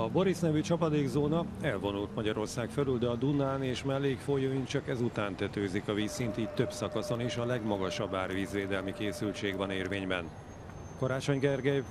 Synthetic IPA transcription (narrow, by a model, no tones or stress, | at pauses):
ɒbo̞ɾisnɛvyt͡ʃɒpɒd̪eːɡzoːnɒɛlvo̞nult̪mɒɟɒɾo̞rsaːkfɛlyld̪ɛɒd̪unaːneːʃmɛlːeːkfojoːint͡ʃɒkɛzut̪aːnt̪ɛt̪øːzikɒviːsːint̪iːct̪ø̞bsɒkɒso̞niʃɒlɛɡmɒɡɒʃɒbːaːrviːzveːd̪ɛlmikeːsylt͡ʃeːɡvɒneːrveːɲbɛ̰n | kɒɾaːt͡ʃo̞ɲɡɛrɡɛj